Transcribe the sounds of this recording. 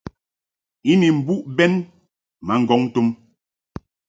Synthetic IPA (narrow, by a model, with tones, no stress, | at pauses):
i˦ni˨m̩˨bu˦ʔbɛ˦n | ma˨ŋ̩˨ɡɔ˨˦ŋ˦tu˦m